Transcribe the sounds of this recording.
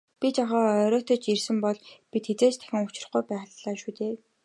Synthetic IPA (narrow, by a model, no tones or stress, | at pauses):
pʲit͡ɕaχɔːœɾɔːt̪ɞ̆t͡ɕirsɘ̆mpɔɮpit̪xet͡seːt͡ɕt̪ʰæ̥xʲɪ̆ŋʊt͡ɕɪ̆r̆χɡujpæːʁɮaːʃuːt̪eː